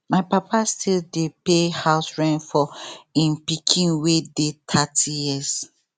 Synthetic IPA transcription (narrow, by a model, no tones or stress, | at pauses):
maɪpapʰastildepehaʊsɹãnfɔĩnpikʰĩnwedetʰatʰijis